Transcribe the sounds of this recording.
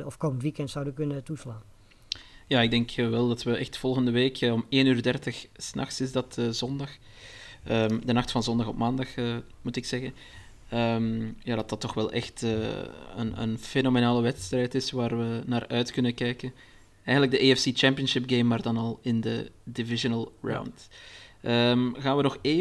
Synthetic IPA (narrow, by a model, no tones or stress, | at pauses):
ɔfkoməntʋikɛntsawdəəkɵnətuslaːn | jaːɪɡ̚dɛŋkʋɛlˠdɑtʋəʔɛxtfɔlˠɣəndəʋeːkʰəɔmeːnyːrdɛrtəxsnɑ̰xsɪzdɑtəzɔndɑx | əmdənɑxtfɑnzɔndɑxɔpmaːndɑxəmutɪksɛɣən | əmjaːdɑtɑtːɔxʋɛlˠʔɛ̰xtəə̰nə̰nfenomenaːləʋɛtstrɛjtɪsʋaːrʋənaːrœɥtkɵnəkɛjkən | ɛjɣənləɡ̚dəʔeɛfsit͡ʃɛmpijənʃɪp̚ɡeːmːaːrdɑnɑlˠɪndə̰divɪʒənəlˠɹa̰wntʔəmɣaːnʋənɔxeː